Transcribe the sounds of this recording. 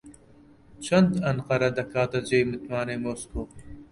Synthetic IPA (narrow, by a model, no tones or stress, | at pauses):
t͡ʃʰɐnd̪ɐnqɐɾɐd̪ɐkaːt̪ɐd͡ʒejmɨt̪maːnemoːskoː